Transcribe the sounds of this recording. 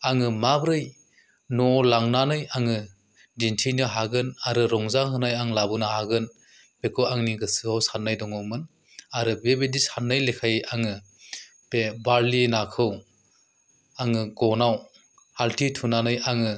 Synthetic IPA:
aŋɯmabɾɯj | nɔlaŋnanɯjaŋɯ | dintʰinɯɦaɡɯnaɾɯɾɔŋzahɯnajaŋlabɯnɯhaɡɯn | pekʰɯwaŋniɡɯsɯhawsanːajdɔŋɔmɯn | aɾɯbebedisanːɯjlekʰajʔaŋɯ | pebaɾlinakʰɯw | aŋɯɡɔnaw | haltʰitʰunanɯjaŋɯ

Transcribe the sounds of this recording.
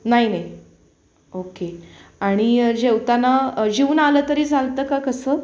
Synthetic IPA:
naɦinai | okeaɽ̃id͡ʑewt̪anad͡ʑiuːnaləːt̪əɾiːd͡zʱalt̪əːkakəsəː

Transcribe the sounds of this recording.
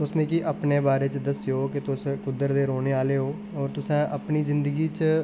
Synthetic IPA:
ʊsmẽːkiʔəpneːbaːɾeːt͡ʃd̪əsɪjoːkɪt̪ʊskʊd̪əɾd̪eːɾoːneːaːleːɦoː | ɔːɾt̪ʊsãːʔəpniːzɪnd̪əɡiːt͡ʃ

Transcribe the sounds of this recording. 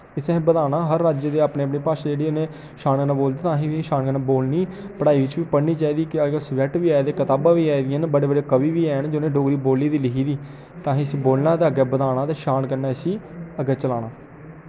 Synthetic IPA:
ɪsẽːbəd̪aːnaːɦəɾːaːd͡ʒed̪eːaːpneːpniːpaːʃãːd͡ʒeːɽiːʊnẽː | ʃaːnkəɾnãːboːld̪aːt̪ãːɦĩːʋiʃaːnkəɾnaːboːlniː | pəɽaːiːʋɪt͡ʃʋiːpəɽniːt͡ʃaːiːd̪iːkɪəɡəsʋɛʈʋiːaːed̪eːkət̪aːbãːʋiːaːid̪ɪjãnbəɽeːbəɽeːkəbiːʋiːɛːnd͡ʒonẽːɖoːɡɾiːboːlːiːd̪iːlɪkiːd̪iː | t̪ãːɦĩːəsĩːboːlnãːd̪eəɡɛːbəd̪aːnãːt̪eːʃaːnkəɾnaːəsiːəɡɛːt͡ʃəlaːnaː

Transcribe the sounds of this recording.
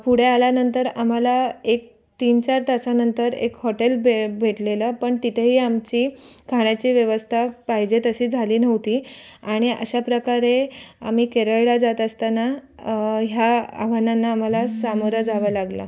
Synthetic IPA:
puɽ̤ealjanənt̪əɾam̤alaek̚ | t̪iːnt͡ɕaɾt̪at͡sanənt̪əɾḛkhɔʈelbebʱeʈleləːpəɳt̪it̪ʰeɦiːamt͡ɕiːkʰaɽ̃jat͡ɕiːʋjəʋəst̪ʰapaɦid͡ʑet̪əɕiːd͡zʱaliːnəʋt̪iːaɽ̃iʔə̰ɕapɾəkaɾea̰m̤iːkeɾəɭɽad͡zat̪əst̪ana | ɦja̰ːʋananːaːm̤alasamoɾəd͡zʱaʋəːlaɡla̰

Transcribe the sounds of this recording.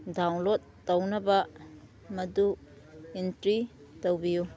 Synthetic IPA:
dawŋlotːɐwnɐbɐ | mɐdu | intɾi | towbiju

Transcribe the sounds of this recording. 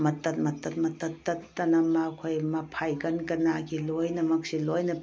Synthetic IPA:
mɐtɐt̪̚mɐt̪ɐt̪̚mɐt̪ɐtːɐtːɐnɐmakʰojmɐpʰajɡɐnkɐnakʰilojnɐmɐk̚silojnɐ

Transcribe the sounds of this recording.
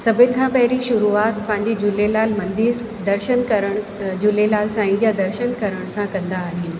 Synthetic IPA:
sɐbʱɪnɪ̆kʰãːpɐɦɪɾiʃʊɾuaːt̪pɐ̃ɦɪ̃ɲd͡ʑed͡ʑʊlelaːlmɐ̃nd̪ɪɾ | d̪ɐɾʃənkɐɾəɽ̃d͡ʑʊlelaːlsãːɪ̃d͡ʑjad̪ɐɾʃənkɐɾəɽ̃sãkɐ̃nd̪aːɦɪnɪ̆

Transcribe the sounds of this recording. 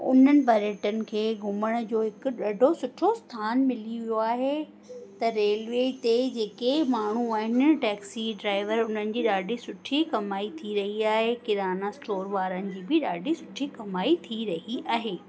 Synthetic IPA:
ʊ̰n̤ənɪ̆bʱɐɾəʈənɪ̆kʰeːɡʱʊməɽ̃ʊ̆d͡ʑoːɦɪkʊ̆ɗɐɖʱosʊʈʰost̪ʰaːnmɪliʋijoaːɦe | t̪ɐɾeːlʋeːt̪ed͡ʑeːkemaːɳ̤uaːɦɪnɪ̆ʈɛːksiɖɾaːɪʋəɾʊn̤ənɪ̆d͡ʑiːɗaːɖʱisʊʈʰikɐmaːit̪ʰiɾɐɦiaːɦekɪɾaːnasʈoːɾʋaːɾənɪ̆d͡ʑiːbɪɗaːɖʱisʊʈʰikɐmaːit̪ʰiɾɐɦiaːɦeː

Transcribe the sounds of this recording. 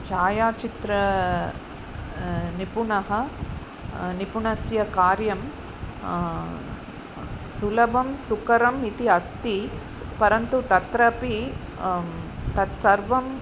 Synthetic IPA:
t͡ʃaːjaːt͡ʃit̪ɾɐ | nipuɳɐɦɐ | nipuɳɐsjɐkaːɾjɐm | sulɐbɐmsukɐɾɐmit̪iɐst̪i | pɐɾɐnt̪ut̪ɐt̪ɾɐpi | t̪ɐt̪sɐɾʋɐm

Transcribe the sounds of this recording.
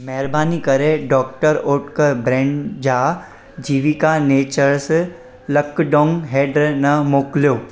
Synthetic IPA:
mɐɦɪɾbaːnikɐɾeɖɔːk̚ʈəɾoːʈkəɾbɾɛ̃ːɳɖd͡ʑaː | d͡ʑiːʋikaneːt͡ɕəɾs | lɐkɖɔ̃ːŋɡɦeːɖɾnɐmoːklijoː

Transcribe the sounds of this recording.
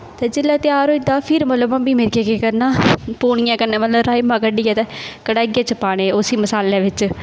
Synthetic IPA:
t̪eːd͡ʒɪlːaːt̪ɪjaːɾɦoid̪aːpʰɪɾmət̪ləbãːbiːmɪɾɡeːkekəɾnaːpuːɳ̃ɪjãːkəɾneːmət̪ləbɾaːimãːkəɖiːɛːt̪ɛːkəɽaːɡeːt͡ʃəpaːɽẽːosiːməsaːlẽːʋɪt͡ʃ

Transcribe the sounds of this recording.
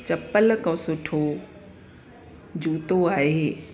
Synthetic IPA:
t͡ɕɐpəl̆kɐ̃sʊʈʰo | d͡ʑuːt̪oaːɦeː

